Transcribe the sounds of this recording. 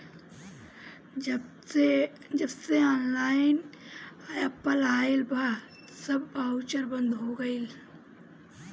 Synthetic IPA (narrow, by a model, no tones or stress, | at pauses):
d͡ʒɐbseaːnlaːɪn | jəpːəlaːelbʱa | sɐbaʊt͡ʃəɾbə̃nd̪ɦoːɡɐil